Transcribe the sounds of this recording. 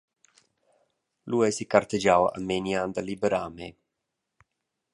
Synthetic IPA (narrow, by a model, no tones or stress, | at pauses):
luɛsikaɾt̪ed͡ʒawa̰meniand̪alibeɾaːme